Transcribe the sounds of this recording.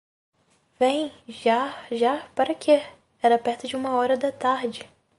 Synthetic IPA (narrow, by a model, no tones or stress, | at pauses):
vẽj̃ʒaʒapaɾɐkʰe | ɛɾɐpɛɾt̪ʊd͡ʒɪũmɐɔɾɐd̪ɐt̪aɾd͡ʒɪ